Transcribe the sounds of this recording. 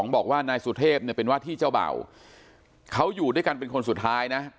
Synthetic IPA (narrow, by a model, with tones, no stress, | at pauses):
ɔː˩˦ŋbɔː˨˩k̚waː˥˩naː˧jsuː˧t̪ʰeː˥˩p̚ni˥˩ɐpe˧nwaː˥˩t̪ʰiː˥˩t͡ɕa˥˩wba̰ː˨˩w | kʰa˦˥wjuː˨˩du˥˩əjka˧npe˧nkʰo˧nsu˨˩t̪ʰːaː˦˥jna˦˥